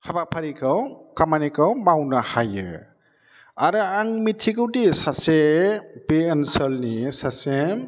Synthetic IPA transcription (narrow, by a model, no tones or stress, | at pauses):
habapʰaɾikʰɯwkamanikʰɯwmawnahajɯ̰ | aɾɯaŋmitʰikɯwdisasebeensəlnisase